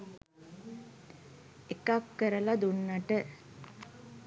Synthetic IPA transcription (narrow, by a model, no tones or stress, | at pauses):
ekakːəɾəlad̪unːaʈə